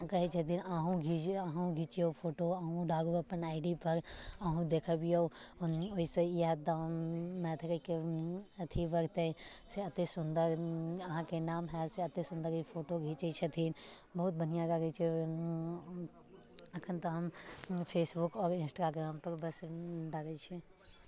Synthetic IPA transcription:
kɐɦet͡ʃʰɐt̪ʰiːnaːɦũɡʱiːd͡ʒaːɦũɡʱiːt͡ʃiopʰoːʈoaːɦũɖaːɡuɐpənaːɪɖipɐɾaːɦũd̪eːkʰabijoːnoisejaːd̪̚d̪amɛ̃ːt̪ʰɐkəkeɐt̪ʰibɐɾt̪ẽseɐt̪esʊnd̪əɾɐɦãkenaːmɦɛseɐt̪esʊ̃nd̪əɾipʰoːʈoɡʱit͡ʃet͡ʃʰet̪ʰiːnbəɦʊt̪̚bən̤ijãɾaɡət͡ʃʰe | ɐkʰənt̪ɐɦɐmpʰeːsbʊkɔːɾɪ̃nsʈaːɡɾaːmpəɾbəsɖaɡət͡ʃʰe

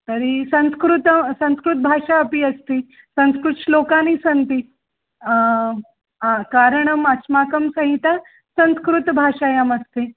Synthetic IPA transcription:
t̪əɾisə̃ñskɾut̪əsə̃ñskɾut̪̚bʱaʂaəpiːəst̪i | sə̃nskɾuʂlokanisənt̪i | ɦãkaɾəɳəmasmakəmsɐ̃ɦĩt̪a | sə̃ñskɾut̪bʱaʂajaməst̪e

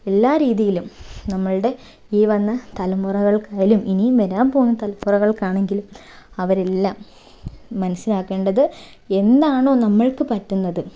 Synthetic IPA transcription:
e̞lːaːɾiːðijilumnɐmːɐɭɨɽe̞ | iːʋɐnːɐt̪ɐlɐmːurɐɣɐɭkaːjiluminimeɾaːmpo̞ːnːɐt̪ɐlɐmːurɐɣɐɭkaːɳe̞ŋɡilum | ɐʋɐɾelːaːmː | ɐnɐsːinaːkːe̞ːɳɖɐðɨ | e̞nd̪aːɳo̞ːnɐmːɐɭkɨpɐtːunːɐðɨ

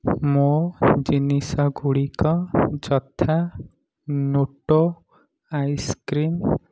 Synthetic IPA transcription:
mod͡ʒinisɔɡuɽikɔd͡ʒɔt̪ʰa | nuʈo | ajskɾim

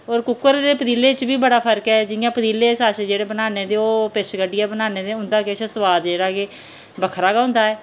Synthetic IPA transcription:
oːɾkʊkːəɾd̪eːpəd̪iːleːt͡ʃbiːbəɽaːpʰəɾkɛːd͡ʒɪjãːpəd̪iːleːsaːsd͡ʒeːɽeːbənaːneːd̪eːoːpɪʃɡəɖɪjaːbənaːneːd̪eːʊ̃nd̪aːkɪəʃəsəʋaːd̪d͡ʒeːɽaːɡeː | bəkʰɾaːɡaːɦʊ̃nd̪aːɛː

